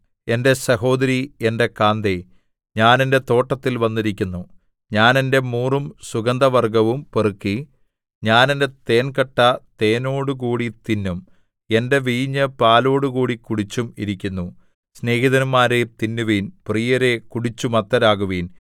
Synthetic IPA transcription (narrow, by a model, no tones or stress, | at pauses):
e̞nde̞sɐɦo̞ːd̪ɐɾiende̞kaːnd̪e | ɲaːne̞nde̞t̪o̞ːʈːɐt̪ːilʋɐnːiɾikʲːunːu | ɲaːne̞nde̞muːrumsuɡɐnd̪ɐʋɐrɡɐʋumperɨkːi | ɲaːnende̞t̪e̞ːnkɐʈːɐt̪e̞ːno̞ːɽukuːɽit̪inːum | e̞nde̞ʋiːɲːɐpaːlo̞ːɽukuːɽikuɽit͡ɕːumḭɾikʲːunːu | sne̞ːhiðɐnumːaːɾet̪inːuʋiːnprijɐɾe̞kuɽit͡ɕːumɐt̪ːɐɾaːɣuʋiːn